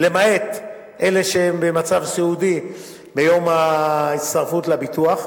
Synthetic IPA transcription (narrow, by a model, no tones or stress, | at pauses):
lemae̞t̪ | ʔe̞le̞ʃeembemat͡savseudi | bejo̞maist̪aʁfut̪labit̪uaχ